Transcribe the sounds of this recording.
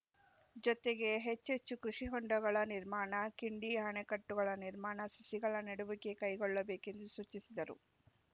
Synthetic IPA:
d͡ʒɔt̪e̞ɡe̞ɦet͡ʃːet͡ʃːukɾuʂiɦɔɳɖɐɡɐɭɐniɾmaːɳɐkiɳɖiɐɦɐɳekɐʈːuɡɐɭɐniɾmaːɳɐsisiɡɐɭɐneɽuʋike̞kɐjɡɔɭːɐbeːke̞nd̪usuːt͡ʃisid̪ɐɾṵ

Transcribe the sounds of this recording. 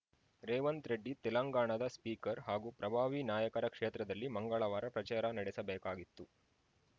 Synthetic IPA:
ɾeːʋɐnt̪ɾeɖːit̪ɛlɐŋɡaːɳɐd̪ɐspiːkɐɾɦaːɡupɾɐbʱaːʋinaːjɐkɐɾɐkʂeːt̪ɾɐd̪ɐlːimɐŋɡɐɭɐʋaːɾɐpɾɐt͡ʃaːɾɐnɐɽɛsɐbɛːkaːɡit̪ːu

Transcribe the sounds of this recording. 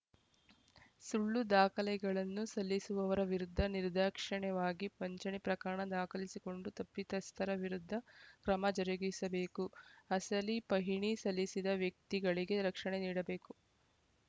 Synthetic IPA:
suɭːud̪aːkʰɐlɛɡɐɭɐnːusɐlːisuʋɐʋɐɾɐʋiɾud̪ʱːɐniɾd̪ɐːkʂɐɳɛʋaːɡipɐɲt͡ʃɐɳipɾɐkaɾɐɳɐd̪aːkʰɐlisiko̞ɳɖut̪ɐpːit̪ɐst̪ʰɐɾɐʋiɾud̪ʱːɐkɾɐmɐd͡ʒɐɾɐɡisɐbe̞ːkuɐsɐlipɐɦiɳisɐlːisid̪ɐʋjɐk̚t̪iɡɐɭiɡe̞ɾɐkʂɐɳeniːɽɐbe̞ːku

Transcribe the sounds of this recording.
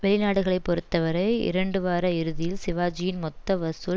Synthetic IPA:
ʋɛɭɪnaːɽɯɣɐɭɐɪpːɔɾɯt̪ːɐʋɐɾɐɪɪ̰ɾɐɳɖɯʋaːɾɐɪɾɯðɪjɪlsɪʋaːd͡ʒɪjɪnmɔt̪ːɐʋɐsɯ

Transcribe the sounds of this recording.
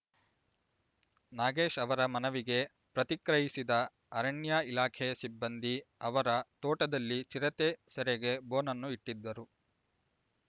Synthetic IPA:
naːɡeːʃɐʋɐɾɐmɐnɐʋiɡe̞ | pɾɐt̪ikɾɐɦisid̪ɐ | ɐɾɐɳjaːilaːkʰɛjɐsibːɐnd̪iɐʋɐɾɐt̪oːʈɐd̪ɐlːit͡ʃiɾɐt̪esɛɾeɡe̞boːnɐnːuiʈːid̪ːɐɾu

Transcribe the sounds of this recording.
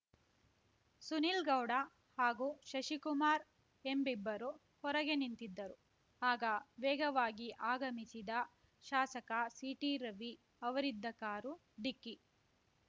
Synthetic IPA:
sunilɡɐwɖɐ | haːɡuːʃɐʃikumaːɾ | embibːɐɾu | hɔɾɐɡe̞nint̪id̪ːɐɾu | aːɡɐʋɛːɡɐʋaːɡiʔaːɡɐmisid̪ɐ | ʃaːsɐkɐsiːʈiɾɐʋi | ɐʋɐɾid̪ːɐkaːɾu | ɖikːi

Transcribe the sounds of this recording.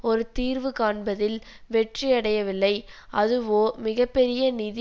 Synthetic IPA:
ɔɾɯt̪iːɾʋɯkaːɳbɐðɪl | ʋɛʈriɐɽɐjɐʋɪlːɐɪʔɐðɯʋoːmɪɣɐpːɛɾɪjɐnɪðɪ

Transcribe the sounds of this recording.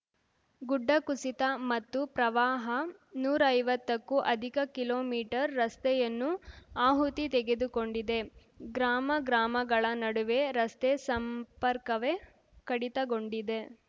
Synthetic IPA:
ɡuɖːɐkusit̪ɐmɐt̪ːupɾɐʋaːɦɐnuːɾɐɐjʋɐt̪ːɐkːuʔɐd̪ʱikɐkiloːmiːʈɐɾːɐst̪ɛjɐnːuaːɦut̪it̪eɡe̞d̪ukoɳɖid̪e̞ | ɡɾaːmɐɡɾaːmɐɡɐɭɐnɐɽuʋe̞ɾɐst̪esɐmpɐɾkɐʋe | kɐɽit̪ɐɡo̞ɳɖid̪e̞

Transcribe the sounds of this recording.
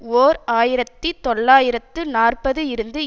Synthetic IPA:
oːɾaːjɪɾɐt̪ːit̪ɔɭːaːjɪɾɐt̪ːɯnaːrpɐðɯɪɾɯnd̪ɯ

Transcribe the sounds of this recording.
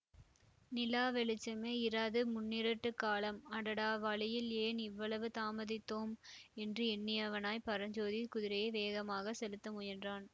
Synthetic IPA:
nɪlaːʋɛɭɪt͡ʃːɐmeːɪɾaːðɯmʊnːɪɾɐʈːɯkːaːlɐmɐɽɐɽaːʋaːɭɪjɪleːnɪʋːɐɭɐʋɯt̪aːmɐðɪt̪ːoːmɛndrɯɛnːɪjɐʋɐnaːjpɐɾɐɲd͡ʒoːðikʊðɪɾɐjɐɪʋeːɣɐmaːɣɐsɛlɯt̪ːɐmʊjɐndraːn

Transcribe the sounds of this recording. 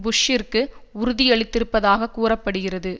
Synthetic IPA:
bʊʂɪrkɯʊɾʊðɪɛɭɪt̪ːɪɾɯpːɐðaːɣɐkːuːrɐpːɐɽɯɣɪrɐðɯ

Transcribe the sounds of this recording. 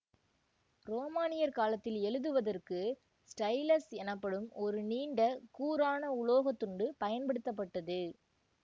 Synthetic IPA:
ɾoːmaːnɪjɐɾkaːlɐt̪ːɪlɛɻɯðɯʋɐðɐrkɯ | sʈɐɪlɐsɛnɐpːɐɽɯmɔɾɯniːɳɖɐkuːɾaːnɐʊɭoːɣɐt̪ːʊɳɖɯpɐjɐnpɐɽɯt̪ːɐp̬ːɐʈːɐðɯ

